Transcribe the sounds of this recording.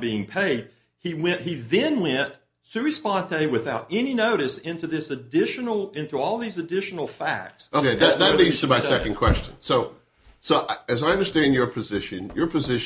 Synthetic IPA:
biɪ̃ŋpʰeɪd̥̚ | iwɛ̃ʔiðɨ̃nwɛ̃nt | sʉɹispɑ̃nteɪwɨθaʊɾɛninoʊɾɨsɪ̃ntʉðɪsɨdɪʃɨnl̩ˠɪ̃ntuɔlˠðizɨdɪʃn̩l̩ˠfæ̰k̚tsoʊkʰeɪðt̚ðɨtˡlidz̥tʰəmaɪsɛkɨ̃n̩kʰw̥ɛst͡ʃɨ̃nsoʊ | soʊʔɨzaɪʌ̃ndə˞stæ̃ndjə˞pʰɨzɪʃɨ̃njə˞pʰɨzɪʃ

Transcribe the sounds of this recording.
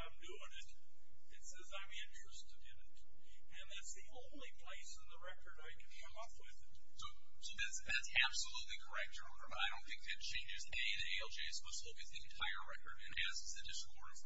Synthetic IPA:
ãɪ̃mdʉɪ̃ŋɪt | ɨtsɛzãɪ̃mɪ̃nt͡ʃɹ̥ɨstɨɾɨ̃nɪt | ɨ̃nðætsðiʔõʊ̃ʊ̃nlipʰl̥eɪsə̃nðəɹɛkə˞dəɨkʰnkʰʌ̃mʌpwɪðɨt̚ | soʊ | soʊðætsðætsæb̥səlutˡlikʰə˞ɛk̚tɔ̃nə˞b̥ʌɾaɪɾõʊ̃nθɪ̃ŋk̚ðɨt̚t͡ʃʰẽɪ̃nd͡ʒɨzɛniðieɪl̩ˠd͡ʒeɪsmʌsoʊkɨzðiɨ̃ntʰaɪə˞ɹɛkə̰˞ɾɨ̰̃nɨz̥ɨzðɨdɪskʰɔɹs

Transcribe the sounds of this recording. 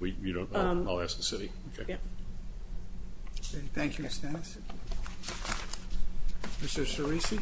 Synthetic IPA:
wiwɨdõʊ̃nʌalˠæsk̚ðəsɪɾiokʰeɪ | keθæ̃ŋkjʉɪstæns | mɪstə˞sə˞isi

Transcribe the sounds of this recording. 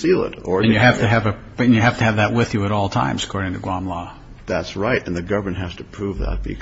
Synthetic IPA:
ilˠɪ̰ɾə˞ɨ̃njɨɦæftɨɨvɨ | ɨ̃njɨɦæftɨːvðɨt̚wɪðjɨɨɾɔlˠtʰã̰ɪ̃mz̥ə̥kʰɔɹɾɪ̃ŋtʰɨɡwɑ̃mlɔ | ðætsɹaɪɾɨ̃nðɨɡʌvm̃nɦæz̥tʰɨpʰɹ̥uvðə̰t̚b̥ɨ̰k

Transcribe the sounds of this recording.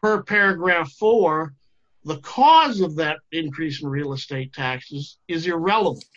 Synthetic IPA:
ə˞pʰɛɹɨɡɹæfɔɹ | ðəkʰɔzʌvðɨɾ̚ɪ̃nkʰɹ̥isn̩ɹil̩ˠəsteɪtʰæksɨzɨzɪɹɛlˠəvə̃n̩t

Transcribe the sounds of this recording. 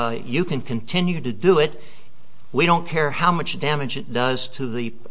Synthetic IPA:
jɨkɨ̃nkʰɨ̃ntʰɪ̃njʉɾɨdɨɪt̚ | wiɾõʊ̃nkʰɛɹhaʊmʌt͡ʃd̥æmɨd͡ʒɨt̚d̥ʌz̥tʰɨðɨ

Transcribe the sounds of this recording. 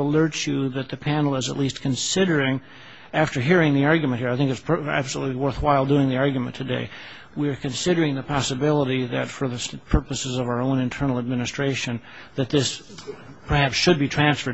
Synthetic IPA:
əlɜ˞t͡ʃɨðɨt̪̚ðɨpʰænl̩ˠəzə̰tˡlistkʰɨ̃nsɪɾə˞ɪ̃ŋ | æftə˞ɦiɹɪ̃ŋðiɑɹɡjmɨ̃n̚hiɹaɪθɪ̃ŋkɨtsʰæ̰b̥səlutˡliwɜ˞θwaɪlˠdʉɪ̃ŋðiɑɹɡjmɨ̰̃ntʰɨdeɪ | wiə˞kʰɨ̃nsɪɾə˞ɪ̃ŋðɨpʰɑsəbɪlˠəɾiðɨtfə˞ðɨpʰɜ˞pɨsɨzʌvaʊə˞õʊ̃nɨ̃ntʰɜ˞nl̩ˠəd̚mɪnɨstɹ̥eɪʃɨ̃n | ðɨt̪̚ðɪs | pʰə˞hæpsʃɨd̚bitʰɹ̥æ̃nsfə˞

